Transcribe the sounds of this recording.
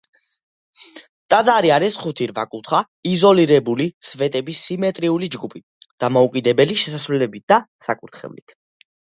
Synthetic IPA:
t̪ʼad̪zaɾiaɾɛsχut̪ʰiɾva̰kʼut̪ʰχa | izɔliɾɛbulit̪sʰvɛt̪ʼɛbisːimɛt̪ʼɾiulid͡ʒɡupʰi | d̪̥amɔukʼid̪ɛbɛliʃɛsasɾwɛlɛbit̪̚d̪̥asakʼuɾt̪ʰχɛ̰vlḭt̪ʰ

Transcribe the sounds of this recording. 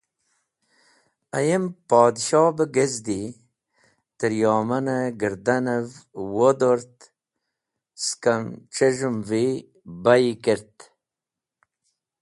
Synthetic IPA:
ajempɑːd̪ʃɑːbəɡezd̪i | t̪əɾjɑːmɐnəɡəɾd̪anəvwod̪oɾt̪ | skamt͡ʃeʒumvi | bajikeɾt̪

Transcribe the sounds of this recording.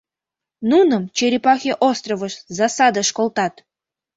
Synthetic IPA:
nunəmt͡ɕeɾʲipɑxʲeʔost̪rovəʃzɑsɑd̪əʃkolt̪ɑt̪

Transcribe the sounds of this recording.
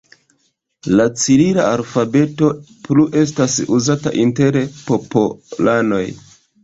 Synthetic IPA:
lat͡silila̰alfabe̞to̞ | pluʔe̞s̬tasuzata̰ʔinte̞ɾpo̞polano̞j

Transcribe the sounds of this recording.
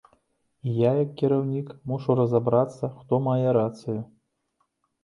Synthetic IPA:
ijajɐkʲːiɾawnʲikmuʂurɐzabɾat̪sːɐxt̪ɔmajɛɾat̪sɨju

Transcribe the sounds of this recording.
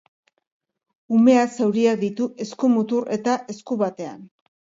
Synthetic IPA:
ume̞asewɾiakd̪it̪uʔe̞skumut̪uɾe̞t̪aʔe̞skuβat̪e̞a̰n

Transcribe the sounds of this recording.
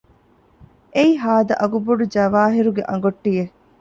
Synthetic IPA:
ʔeiɦaːd̪ɐ̰ʔɐɡuboɖud͡ʒɐʋaːɦiɾuɡeʔɐŋ̆ɡoʈːije

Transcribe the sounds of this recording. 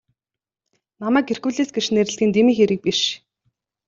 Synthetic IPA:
namæːkerxuːɮeːsɡeʃneɾɘ̆ɬt̪iːnt̪emiːxeɾɘ̆k̚piʃ

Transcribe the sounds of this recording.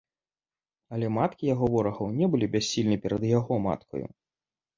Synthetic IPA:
ɐlʲɛmat̪kʲijaɣɔvɔɾɐɣɐwnʲɛbɨlʲibʲasʲːilʲnɨpʲɛɾɐd̪jaɣɔma̰t̪kʰɔ̰jṵ

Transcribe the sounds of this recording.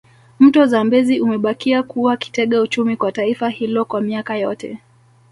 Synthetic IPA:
m̩tɔzambɛziʔumɛɓakiakuwaki̥tɛɠaut͡ʃumikwataifahilɔkwamiakajɔtɛ̰

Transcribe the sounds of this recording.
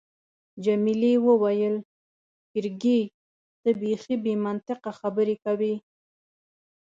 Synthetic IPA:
d͡ʒamilewəwajəl | kɪɾɡe | d̪̥əbexibemant̪ɪqaxabəɾekawi

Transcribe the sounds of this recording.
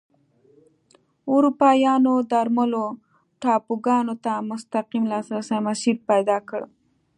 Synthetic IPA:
ʊɾupɑjɑnod̪aɾmalo | ʈɑpuɡɑnot̪amʊst̪aqimlɑsɾasajmasipajd̪ɑkəɽ

